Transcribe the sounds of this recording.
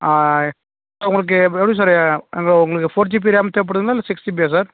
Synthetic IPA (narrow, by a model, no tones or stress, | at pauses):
aː | soʊŋɡɐɭɯk̬ːɯɛʋɽs̬aːɾɛŋɡɐɭʊŋɡɐɭɯkːɯfoːɾt͡ʃip̬iːɾjaːmɛt̪eːpːɐɽɯðŋɡɐlaːlːɐsɪksʈibias̬aːɾ